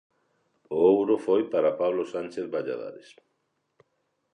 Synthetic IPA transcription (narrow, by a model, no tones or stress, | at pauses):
oowɾofojpaɾapaβlosant͡ʃeθβaʎa̰ða̰ɾes